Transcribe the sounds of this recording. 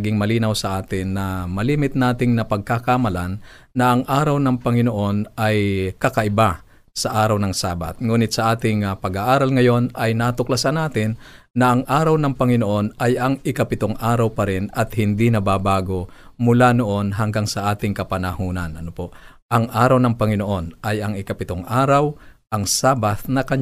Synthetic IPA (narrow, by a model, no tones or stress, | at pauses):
ɐɡɪŋmɐliːnɐwsɐʔaːt̪ɪnːɐmɐliːmɪt̪̚naːt̪ɪŋnɐpɐɡ̚kakamɐlanː | ɐʔɐŋʔaːɾɐwnɐŋpɐŋɪnoʔo̞nɐjkɐkɐʔɪba | sɐʔaːɾɐwnɐŋsaːbɐ̰t̪̚ŋuːnɪt̪̚sɐʔaːt̪ɪŋpɐɡaʔaːɾɐlŋɐjo̞nɐjnaːt̪ʊklɐsanaːt̪ɪnː | ɐʔɐŋʔaːɾɐwnɐŋpɐŋɪnoʔo̞nʔɐjɐŋɪkɐpɪt̪oŋʔaːɾɐwpɐɾɪnɐt̪̚hɪnd̪inɐbaːbaːɡo̞mʊlanoʔo̞nɦɐŋɡaŋsɐʔaːt̪ɪŋkɐpɐnɐhuːnɐnʔɐnopo | ʔɐŋʔaːɾɐwnɐŋpɐŋɪno̞ʔo̞nʔɐjɐŋɪkɐpɪt̪oŋʔaːɾɐwʔɐŋsaːbat̪nɐkɐɲ